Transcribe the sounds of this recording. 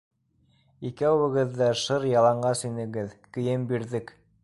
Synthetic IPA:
ikæɘ̆ɡɘ̆ðːæʃɤɾjɑlˠɑɴɢɑsinɘ̆ɡɘðkɘ̆jɘmbiɾðɘk

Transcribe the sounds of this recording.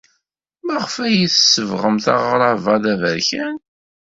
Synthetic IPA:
mæʁəfæjiθsəvʁəmθɑ̰ʁɾˤɑvɑðævəɾçæn

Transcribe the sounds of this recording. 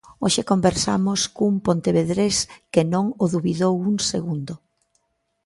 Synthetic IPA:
oʃɪkombeɾsamʊskumpõnt̪eβeðɾeskɪnõŋoðuβiðowuŋseɣund̪ʊ

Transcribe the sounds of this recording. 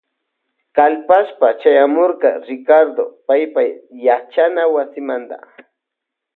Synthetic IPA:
kalpaʃpat͡ʃajamoɾɢɑɾɪkaɾd̪opajpajat͡ʃanawasɪmant̪a̰

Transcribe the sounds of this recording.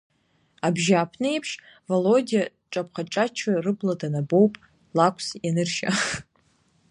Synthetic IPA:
abʒaːpʰnɨepʰʃ | volodia | ʈ͡ʂʼap̚ʰχaʈ͡ʂʼat͡ʃʰarɨbladanabo̞wpʼ | lakʷʰsjanɨrʃa̰

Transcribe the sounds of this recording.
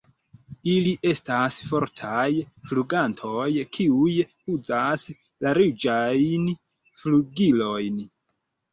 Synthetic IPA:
iliʔe̞stasfo̞ɾtʰaj | fluɡantʰo̞jkʰiuj | ud͡zas | laɾid͡ʒajn | fluɡilo̞jn

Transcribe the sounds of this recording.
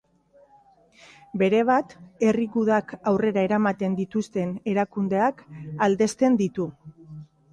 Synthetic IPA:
be̞ɾe̞β̞at̪e̞riɣuðakawre̞ɾae̞ɾamat̪e̞nd̪it̪ust̪e̞ne̞ɾakund̪e̞akald̪e̞st̪e̞nd̪it̪u

